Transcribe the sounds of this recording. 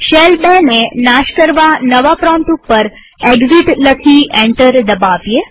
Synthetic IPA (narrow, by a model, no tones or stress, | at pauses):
ʃelbɛnenaʃkəɾʋanəʋapɾɔmʈ̪upːəɾ | eɡziʈləkʰieɳʈəɾd̪əbaʋje